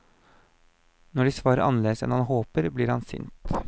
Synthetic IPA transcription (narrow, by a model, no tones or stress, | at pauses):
nɔɖiːsʋɑːɾəɾʔɑnəleːd̪əsɛ̰nhɑnɦoːpəɾbliːɾhɑ̰nsʏ̰nt̪